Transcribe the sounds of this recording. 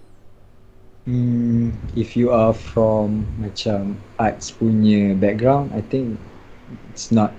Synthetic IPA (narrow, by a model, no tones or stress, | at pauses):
ifjuafɹɔ̃mmat͡ʃamat̚spunjəbɛk̚ɡɹãw̃nda̰jt̪ɪ̃ŋk | itsnɔt̚